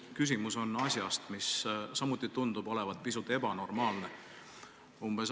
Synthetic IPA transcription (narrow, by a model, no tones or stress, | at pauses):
kys̬ʲimuso̞nɑsʲjɑst̪missɑmut̪ːˑit̪und̪ub̥o̞le̞vɑd̪̥̚pisut̪ːˑe̞bɑno̞rmɑːlne | umb̥e̞s